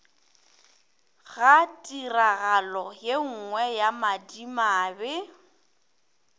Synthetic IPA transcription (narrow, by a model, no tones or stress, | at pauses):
ɣatʼiraɣalɔjeŋ̩ŋwɛjamadimaːbɛ